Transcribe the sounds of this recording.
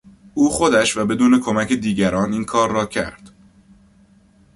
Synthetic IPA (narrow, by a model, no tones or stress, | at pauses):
ʔuːxo̞d̪æʃvæbe̞d̪uːne̞kʰo̞mæcʰed̪iːɟæɾɒːniːnkʰɒːɾːɒːcʰæ̰ɾd̪̥